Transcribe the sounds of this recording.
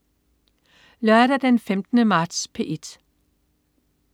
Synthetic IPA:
lɶɐɾ̥ɐd̥enfemd̥ənəmɑ̈ːd̥spʰe̝ʔe̝d̥

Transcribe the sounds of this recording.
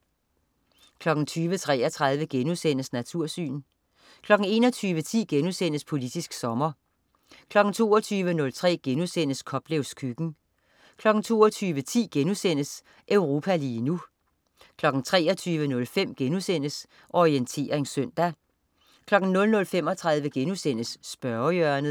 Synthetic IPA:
kʰlɒ̽ɡ̥n̩t͡sʰyːʋət͡sʰʁɛ̰ːɐt͡sʰʁäðˠʋəɡ̥enusen̰əsnæt͡sʰuɐ̰sy̰ːn | kʰlɒ̽ɡ̥n̩e̝ːnɒt͡sʰyːʋət͡sʰḭːɡ̥enusen̰əspʰo̝lid̥isɡ̥sɒ̽mɐ | kʰlɒ̽ɡ̥n̩t͡sʰo̝̰ːɐt͡sʰyːʋənɔ̽lt͡sʰʁɛ̰ːɡ̥enusen̰əskʰɒ̽b̥leʊskʰyɡ̥n̩ | kʰlɒ̽ɡ̥n̩t͡sʰo̝ːɐt͡sʰyːʋət͡sʰḭːɡ̥enusen̰əs | ʔøʊʁo̝ːpʰæliːnu | kʰlɒ̽ɡ̥n̩t͡sʰʁɛ̰ːɒt͡sʰyːʋənɔ̽lfem̰ɡ̥enusen̰əs | ʔɒʁient͡sʰe̝̰ːɐe̝nsøn̰d̥æ | kʰlɒ̽ɡ̥n̩nɔ̽lnɔ̽lfem̰ɒ̽t͡sʰʁäð̞ˠʋəɡ̥enusen̰əsːb̥ɶɐjœɐnð̩ˠ

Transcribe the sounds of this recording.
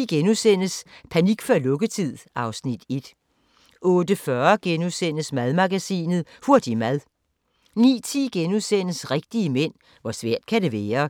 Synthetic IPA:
ɡ̥enusen̰əspʰæniɡ̥fɒlɔ̽ɡ̥ət͡sʰið̰ˠɑ̈ʊsnid̥e̝d̥ | ʔɔ̽ːd̥əfɶɐɡ̥enusen̰əsmæðˠmɑ̈ɡ̥æsḭːnð̩ˠhuɐd̥imæðˠ | nḭːt͡sʰiːɡ̥enusen̰əsʁeɡ̥̚d̥iəmen̰ | ʋɒsʋɛɐ̰d̥̚kʰæde̝ʋɛːɐ

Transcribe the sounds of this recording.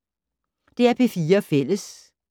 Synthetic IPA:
d̥e̝æɐpʰe̝fiːɐfel̰əs

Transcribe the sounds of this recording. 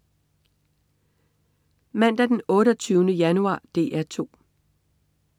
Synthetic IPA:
mæn̰d̥æd̥enɔ̽ːɾɐt͡sʰyːʊnəjænuɑ̰̈ːd̥e̝̰ːʔæɐt͡sʰo̝̰ː

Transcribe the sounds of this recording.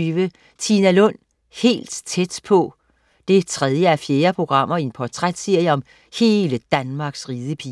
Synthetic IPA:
ʋə | t͡sʰinælɔ̽n̰ | he̝̰ːld̥t͡sʰed̥pʰɒ̽ | d̥e̝t͡sʰʁɛðˠjəæfje̝ːɐpʰʁo̝ɡ̥ʁɑ̈m̰ɐienpʰɒt͡sʰʁad̥seɐ̰jəɒ̽m | he̝ːləd̥ænmɑ̈ɡ̥sʁiːðˠəpʰi

